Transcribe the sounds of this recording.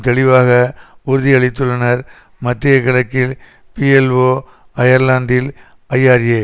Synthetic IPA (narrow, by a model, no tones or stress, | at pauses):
t̪ɛɭɪʋaːɣɐʊɾʊðɪɐɭɪt̪ːɯɭɐnɐɾ | mɐt̪ːɪjɐkːɐɭɐkːɪl | piɛlʋoː | ɐjɐɾlaːnd̪ɪl | ɐjːaːɾeː